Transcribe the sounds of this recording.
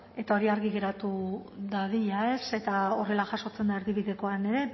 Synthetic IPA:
e̞t̪ao̞ɾiaɾɣiɣe̞ɾat̪uðaðiʎae̞se̞t̪ao̞re̞laʝaso̞t͡se̞nd̪ae̞ɾðiβiðe̞ko̞ane̞ɾe̞

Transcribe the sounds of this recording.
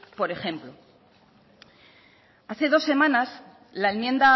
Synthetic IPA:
po̞ɾe̞xe̞mplo̞ | aθe̞ð̞o̞sːe̞mãnas | laelmje̞nd̪a

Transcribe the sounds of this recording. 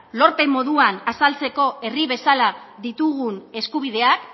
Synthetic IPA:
lo̞ɾpe̞mo̞ðuanasalt͡se̞ko̞e̞riβe̞salaðit̪uɣune̞skuβ̞iðe̞ak

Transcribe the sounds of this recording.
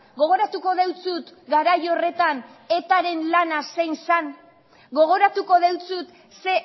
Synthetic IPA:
ɡo̞ɣ̞o̞ɾat̪uko̞ðe̞wt͡sut̪ɡaɾajo̞re̞t̪ane̞t̪aɾe̞nlanase̞jnsan | ɡo̞ɣ̞o̞ɾat̪uko̞ðe̞wt͡sut̪ | se̞

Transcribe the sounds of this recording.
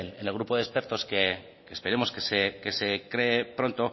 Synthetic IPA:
nenelɣ̞ɾupo̞ðe̞speɾt̪o̞ske | keːspeɾe̞mo̞skesekese̞kɾeːpɾo̞nt̪o̞

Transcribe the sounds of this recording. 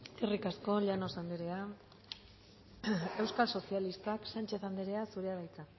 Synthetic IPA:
irikasko̞ʎano̞sand̪eɾe̞a | e̞wskalso̞sialist̪aksant͡ʃe̞θand̪eɾe̞asuɾe̞aβajt͡sa

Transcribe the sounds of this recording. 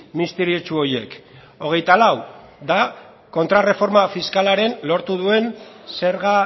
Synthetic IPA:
mist̪eɾiot͡ʃuo̞je̞k | o̞ɣ̞e̞jt̪alaw | d̪a | ko̞nt̪ɾare̞fo̞ɾmafiskalaɾe̞nlo̞ɾt̪uðue̞nse̞ɾɣa

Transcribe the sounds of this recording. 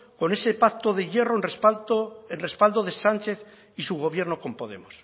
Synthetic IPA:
ko̞ne̞sepak̚t̪oðe̞ʝe̞roenr | enre̞spald̪o̞ð̞e̞sant͡ʃe̞θ | isuɣ̞o̞β̞je̞ɾnoko̞mpo̞ðe̞̰mos

